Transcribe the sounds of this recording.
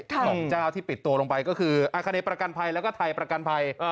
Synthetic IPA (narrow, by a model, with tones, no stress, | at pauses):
lɔ˩˦ŋt͡ɕaː˥˩wt̪ʰiː˥˩pi˨˩t̪ːu˧ɐlo˧ŋpa˧jkɔ˥˩kʰɯː˧ʔʔaː˧kʰa˧neː˧˩pɾa˧ka˧npʰa˧jlɛ˦˥wkɔː˥˩t̪ʰa˧jpɾa˧ka˧npʰa˧j